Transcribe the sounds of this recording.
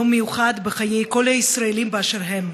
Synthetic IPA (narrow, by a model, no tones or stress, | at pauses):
omejuχad̪beχaje̞jko̞lhaisʁaelimbeaʃeʁɦem